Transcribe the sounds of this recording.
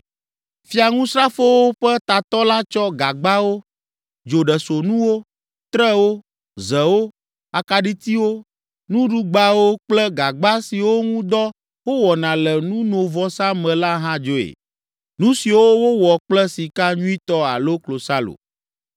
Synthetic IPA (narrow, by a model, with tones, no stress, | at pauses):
fi˦a˨ŋũ˦sɾa˦fo˦wo˦ɸɛ˦t̪a˨t̪ɔ˦la˦t͡ʃɔ˦ɡa˨ɡ͡ba˦wo˦ | d͡ʒo˨ɖɛ˨so˨nũ˦wo˦ | t̪ɾɛ˦wo˦ | zɛ˨wo˦ | a˨ka˨ɖi˦t̪i˦wo˦ | nũ˦ɖu˦ɡ͡ba˦wo˦k͡plɛ˦ɡa˨ɡ͡ba˦si˨wo˦ŋũ˦d̪ɔ˦ | wo˦wɔ˨nã˨lɛ˨nũ˦nõ˨vɔ˦sã˦mɛ̃˨la˦ɦã˦d͡ʒo˦ḛ˨ | nũ˦si˨wo˦wo˦wɔ˨k͡plɛ˦si˨ka˦ɲũ˦i˦t̪ɔ˦a̰˨lo˦klo˨sa˦lo̰˨